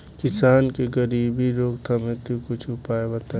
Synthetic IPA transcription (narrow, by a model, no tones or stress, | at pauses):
kɪsaːnkeɡəɾiːbʱiɾoːɡt̪ʰɐmẽt̪ukʊt͡ʃʰʊpaːebət̪a